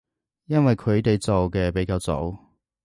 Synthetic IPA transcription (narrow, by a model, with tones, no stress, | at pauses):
jɐ˥nwɐ˨jkʰɵ˨˧ɥt̪e˨jt͡so˨wkɛː˧pe˨˥jkaː˧wt͡so̰˨˧w